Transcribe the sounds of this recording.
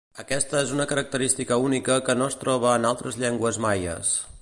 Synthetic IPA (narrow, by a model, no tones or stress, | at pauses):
əkɛst̪əezunəkəɾək̚t̪əɾist̪ikəunikəkənoəst̪ɾɔβ̞əːnalˠt̪ɾəzʎɛŋɡwəzmajə̰s